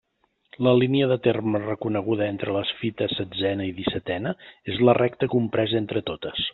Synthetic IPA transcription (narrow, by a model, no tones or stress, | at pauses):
ləliniəðət̪ermərəkunəɣ̞uðəent̪ɾələsfit̪əsəd͡zɛnəiðisət̪ɛnəezlərʔɛk̚t̪əkumpɾɛzent̪ɾət̪ot̪əs